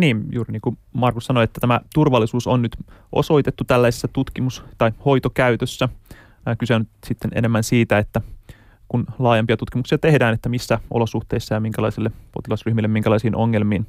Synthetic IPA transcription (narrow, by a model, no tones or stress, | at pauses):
niːnjṵːɾiniːŋkumɑrkussɑnoet̪ːæt̪æmæt̪urʋɑlːisuːsonnyt̪ʔo̞̰so̞it̪et̪ːut̪ælːæisesːæt̪ut̪kimust̪ɑjho̞jt̪okæyt̪øsːæ | kyseonysit̪ːenḛnemːænsiːt̪æet̪ːæ | kunlɑːjempiɑt̪ut̪kimuksiɑt̪ehdæːnet̪ːæmisːæʔolo̞suht̪e̞isːɑjɑmiŋkælɑisilːepo̞t̪ilɑsryhmilːemːiŋkælɑisiːnʔoŋːelmiːn